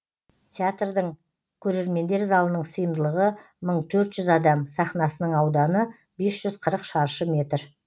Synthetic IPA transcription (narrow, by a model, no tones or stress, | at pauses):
t̪ʲʰeat̪rd̪əɴ | kʲʰɵɾe̞ɾme̞nd̪e̞ɾzɑlˠənəɴsəjəmd̪əlˠəʁə | məɴt̪ʰɵɾt̪ʒ̥ʏzɑd̪ɑmsɑχnɑsənəɴɑwd̪ɑnə | be̞sʒ̥ʏzqʰəɾəqʃɑɾʃəmʲe̞t̪r